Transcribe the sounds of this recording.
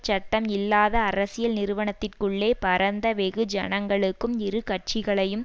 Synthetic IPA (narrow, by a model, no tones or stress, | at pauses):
t͡ʃɐʈːɐmɪlːaːðɐːɾɐsɪjɐlnɪɾɯʋɐɳɐt̪ːɪrkɯɭːeːpɐɾɐnd̪ɐʋɛɣɯd͡ʒɐnɐŋɡɐɭɯkːɯmɪɾɯkɐʈ̚t͡ʃɪɣɐɭɐjɯm